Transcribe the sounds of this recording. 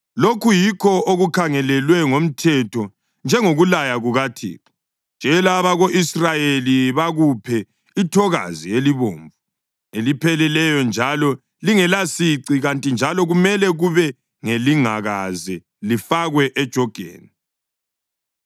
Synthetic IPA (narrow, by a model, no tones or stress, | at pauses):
lokʰujikʰɔoɣukʰaŋɛlɛlwɛŋom̩tʰɛtʰɔ | nd͡ʒʱɛŋoɣulajaɣuɣatʰḭːkɔ | nd͡ʒ̥ʱɛlaβaɣoʔisrajeliβaɣupʰɛ | itʰɔɣa̰zieliβoːɱvu | elipʰɛlɛlɛjɔnd͡ʒʱalɔ | liŋɛlasiǀiɣantʼind͡ʒʱalɔɣumɛlɛɣuβɛ | ŋeliŋa̰ɣazɛ | lifaɣwɛʔɛd̥ʒ̥ʱɔɡ̥ʱḛːni